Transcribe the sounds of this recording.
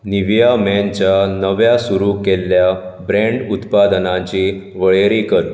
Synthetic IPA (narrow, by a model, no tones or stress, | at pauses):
niʋjamɛnt͡ɕjanəʋjasuɾukelːjabɾẽɳɖut̪pad̪nãt͡ɕi | ʋəɭeɾikəɾ